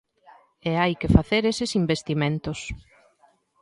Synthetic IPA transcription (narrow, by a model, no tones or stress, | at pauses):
ɛajkɪfaθeɾesɪsimbest̪imẽnt̪ʊs